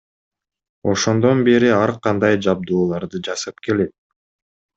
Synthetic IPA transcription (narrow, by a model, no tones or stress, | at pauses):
o̞ʃo̞nd̪o̞nbeɾiɑɾqɑnd̪ɑjd͡ʒɑb̚d̪uːlˠɑɾd̪ɯd͡ʒɑsɑp̚ke̞le̞t̪̚